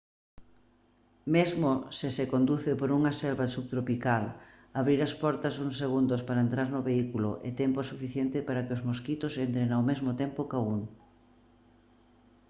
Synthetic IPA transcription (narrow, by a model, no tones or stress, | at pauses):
mezmosɪsekond̪uθɪpoɾuŋɐselβasuβ̚t̪ɾopikal | aβɾiɾɐspɔɾt̪ɐsuŋseɣ̞und̪ospaɾaent̪ɾaɾnʊβeikulo̰ʔḛt̪ɛmpoɛsufiθjent̪ɪpaɾakɪozmoskit̪osent̪ɾenawmezmot̪empokauŋ